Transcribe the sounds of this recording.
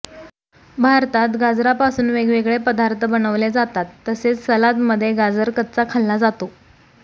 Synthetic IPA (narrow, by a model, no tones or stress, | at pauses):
bʱaɾt̪at̪ɡad͡zɾapasuːnʋeɡʋeɡɭepəd̪aɾt̪ʰəbənəʋled͡zat̪at̪ːəset͡ssəlat̪məd̪ʱːjeɡad͡zəɾkət̪̚t͡sakʰalːad͡zat̪o